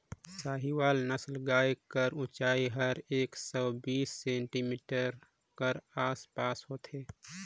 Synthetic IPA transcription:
saːɦiwaːlnəslɡaːjkəɾʊ̃t͡ʃaːiɦɐɾeːksɔːbiːsːẽːɳʈimiːʈəɾ | kəɾaːspaːsɦoːt̪ʰeː

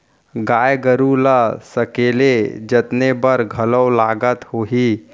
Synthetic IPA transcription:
ɡaːjɡəɾuləsəkeːled͡ʒət̪nebəɾɡʱələwlaːɡət̪hoːɦi

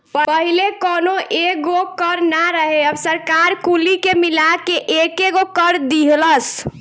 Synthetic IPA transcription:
pəpəɦilekonoʔeɡokəɾnaɾəɦeəbsəɾkaɾkulikemilakeʔekeɡokəɾd̪iɦləs

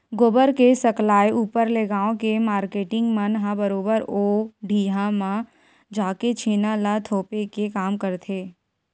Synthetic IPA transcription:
ɡoːbəɾkesəklaːjuːpəɾleːɡaːõkemaːɾkeːʈɪ̃ŋɡmənɦãbəɾoːbəɾoːɖʱiːɦãmã | d͡ʒaːket͡ʃʰeːnalat̪ʰoːpekekaːmkəɾt̪ʰeː

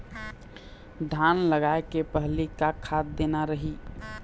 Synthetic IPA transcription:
ɖʱanləɡaekepəɦlikakʰːat̪̚d̪enaɾəɦi

